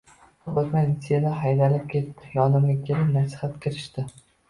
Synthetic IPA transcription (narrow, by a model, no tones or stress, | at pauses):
ot̪mʲansielaɦajd̪alɪp̚kʲʰe̞t̪ːɪjɒnɪmɡʲakʲʰelɪpnasɪ̥hat̪kʲʰɪɾɪʃt̪ɪ